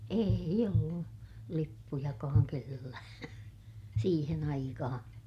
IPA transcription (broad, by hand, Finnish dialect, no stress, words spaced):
eˑij olːu lipːujɑkɑːŋ kelːæː siːhen ɑikɑhɑ̃ː